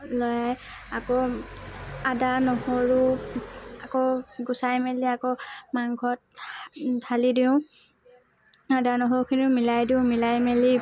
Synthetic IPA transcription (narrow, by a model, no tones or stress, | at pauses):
lɔjaj | akɔ | adanɔhoɹu | akoɡʊsajmeliakɔmaŋɡʱɔt̚tʰalidiʊ̃ | adanɔɦoɹukʰinimilajdiʊ̃milajmeli